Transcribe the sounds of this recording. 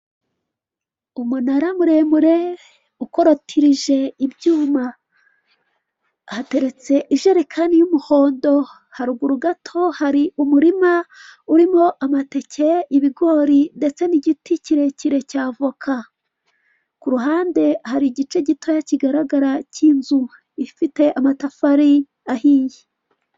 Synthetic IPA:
umunaɾamuɾe̞muɾe̞ | uko̞ɾotʰiɾiʒe̞ibjuːma | hate̞ɾe̞t͡se̞ʔiʒe̞ɾekʰanijumuho̞ːndo̞ | haɾuɡuɾuɡatʰo̞haɾiumuɾimauɾimo̞ʔamate̞cʰe̞iβiɡo̞ɾinde̞t͡se̞niɟiticiɾe̞ciɾe̞caːvokʰa | kuɾuɦaːnde̞haɾiɟit͡ʃe̞ɟitʰo̞jaciɡaɾaɡaɾacinzu | ifite̞ʔamatafaɾi | ahije

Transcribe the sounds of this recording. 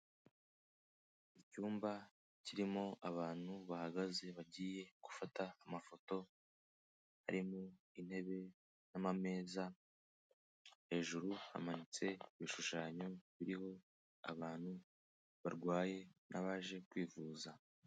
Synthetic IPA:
icuːmba | ciɾimo̞ʔaβaːn̥huβahaɡaze̞βaɟiːje̞ɡ̥ufataːmafo̞to̞ | ha̰ɾimu | in̥he̞βe̞ | namame̞ːza | he̞ːʒuɾuha̰manit͡se̞iβiʃuʃaːɲoβiɾiho̞ | a̰βaːn̥hu | βaɾɡwaːje̞naβaːʒe̞kwiːvuːza

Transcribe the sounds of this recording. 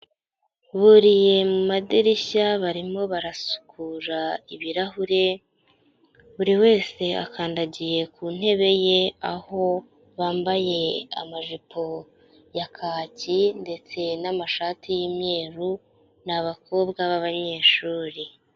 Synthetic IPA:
βuɾije̞mumadiɾiɕaβaɾimo̞βaɾasu̥kʰuɾaiβiɾahuɾe̞ | βuɾiwe̞ːse̞a̰kaːndaɟije̞kuːn̥e̞βe̞je̞aho̞ | βaːmbaje̞a̰maʒipʰo | jakʰaːcinde̞t͡se̞namaʃaːtʰijimɲe̞ːɾu | naβako̞ːbɡaβaβaɲe̞ːʃuːɾi

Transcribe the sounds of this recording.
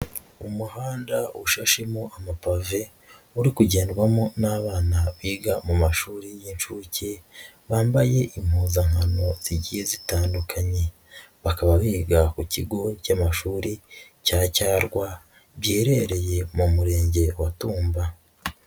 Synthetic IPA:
umuhaːndauʃaʃemoʔamapave̞ | uɾikuɟeːndɡwamonaβaːnaβiːɡamumaʃuːɾijinʃuceβaːmbaje̞ʔim̥huːzaŋ̥hano̞z̥iɟihe̞zitaːndukʰaɲe̞ | βakaβaβiːɡakuciɡo̞camaʃuːɾi | caːcaːɾɡwa | βjeːɾe̞ɾe̞je̞mumuɾe̞ːɲɟe̞watuːmba

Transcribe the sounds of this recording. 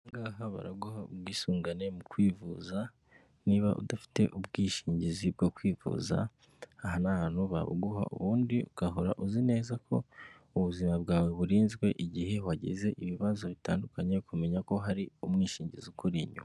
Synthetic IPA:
mɡaːɦaβa̰ɾaɡuhaubɡiːsuːŋɡane̞mukwiːvuza | niβaʔṵdafi̥te̞̰ʔub̚ɡiːʃiːɲɟizib̚ɡokwiːvṵːza̰ː | ɦanahaːn̥huβa̰βo̰ɡuha̰ʔṵβuːndiuɡ̥aɦoɾa̰ʔuzine̞ːzakʰo̞̰ | uβuzimab̚ɡaːwe̞βuɾiːnzɡwe̞ʔiɟihe̞waɟḛze̞ʔiβiβazo̞βitaːndukaɲe̞kume̞ɲako̞ɦaɾiumŋiːʃiːɲɟizukuɾiːɲṵ

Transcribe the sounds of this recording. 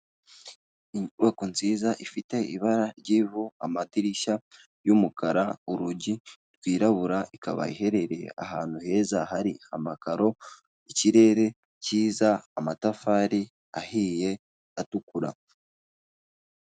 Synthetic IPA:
wekunziːzaʔifite̞iβaɾaɾɟiːvuamadiɾiʃa | jumukaɾauɾuɟiɾɡwiːɾaβuɾaikʰa̰βa̰iɦe̞ɾe̞ɾe̞̰a̰haːn̥huhe̞ːzahaɾiamakaɾo̞ | iciɾe̞ːɾe̞ | ciːzaːmatafaːɾi | ahiːje̞ | atukuɾa̰

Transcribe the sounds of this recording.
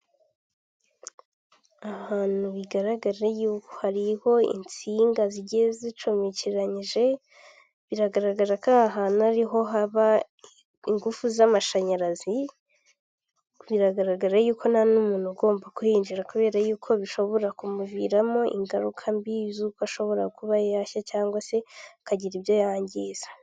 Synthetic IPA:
aβaːn̥uβiɡaɾaɡaɾajuːko̥haɾiho̞ḭnt͡siːŋɡaziɟezit͡ʃomiciɾaɲiʒe̞ | βiɾaɡaɾaɡaɾakaɦaːnuaɾiɦo̞ɦaβa | iŋɡufuzamaʃaɲaɾazi | βiɾaɡaɾaɡaɾajuːkʰo̞nanumuːn̥uɡo̞ːmbakuhiːnd͡ʒiɾakuβe̞ːɾajuːkʰo̞βiʃo̞βo̞ɾakumuviːɾamo̞ʔḭŋɡaɾukʰambizuːkoaʃo̞βo̞ɾakuβajjaːçacaːŋɡwase̞kaɟiɾiβjo̞jaːɲɟiːzḁ

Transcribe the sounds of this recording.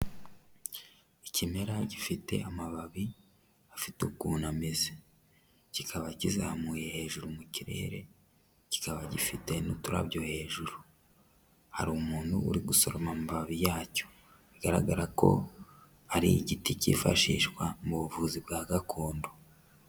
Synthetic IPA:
icime̞ɾaɟifite̞̰amaβaβi | afitukunamize | cikʰaβacizamuːje̞he̞ːʒuɾumuciɾe̞̰ːɾe̞ | ci̥kaβaɟifite̞nutuɾa̰βɟo̞he̞ːʒuɾu | ha̰ɾuːmuːnhuṵɾiɡuso̞ɾomamaβaβijaːco | iɡaɾa̰ɡaɾako̞̰ | aɾiɟiticḭːfa̰ʃḭːʃkwamuβuvuːzibɡaːɡakʰo̞ːndo

